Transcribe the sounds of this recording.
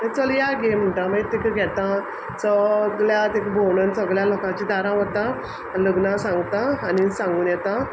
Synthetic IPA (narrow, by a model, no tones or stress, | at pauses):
t̪ẽt͡səljaɡem̤əɳʈãmət̪ikəɡʱɛt̪ã | səɡljat̪ekbʱownənsəɡɭjalɔkãt͡ɕĩd̪aɾãɦɔt̪ã | aləɡnãsãŋɡt̪aːnisãŋɡuːnjɛt̪ã